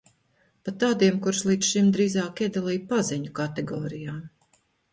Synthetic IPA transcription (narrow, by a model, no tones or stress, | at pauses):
pat̪aːd̪iɛmkuɾslˠiːt̪sʃimd̪ɾiːzaːkiɛd̪alˠijpazɛɲukat̪ɛɡɔːɾijaːm